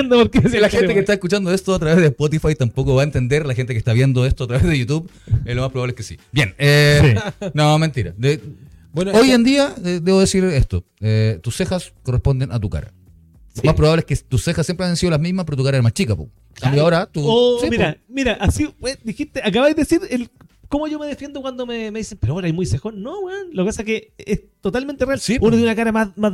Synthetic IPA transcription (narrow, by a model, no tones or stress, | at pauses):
nd̪apoɾkeslaxenekest̪aeskut͡ʃand̪oest̪oat̪ɾaβeðespot̪̬ifajt̪ampokoβaent̪end̪eɾlaxent̪ekest̪aβje̞nd̪oe̞st̪oat̪ɾaβeðejut̪uβezlomahpɾβaβlekesibjeneinome̞nt̪iɾa̰d̪e | nojend̪iaed̪eβoðesiɾest̪oet̪usːexaskorespo̞nd̪enʔat̪uka̰ɾa̰ | omaspɾoβaβleeket̪usːexasːjempɾeajansiðolazmizmapeɾot̪ukaɾaeɾmat͡ʃikapo̰ | laiaaoɾat̪uosimiɾamiɾaʔasipwed̪ixiht̪eʔak̬aβajðeesiɾelkomoʝome̞ðefje̞nd̪okwand̪omemeðisempeɾooɾajmujsexonːowanlokepasakeest̪ot̪alment̪erealsipnounakaɾamama